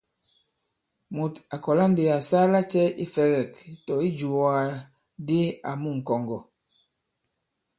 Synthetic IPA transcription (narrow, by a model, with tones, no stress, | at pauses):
mu˨ta˨kɔ˨la˦n˦de˨a˨saː˦la˦t͡ʃɛ˦ḭ˦fɛ˦ɣɛ˨ktɔ˨i˦d͡ʒu˨a˦˨ | de˦a˨mu˦˨ŋ̩˨kɔ˨ŋɡɔ˨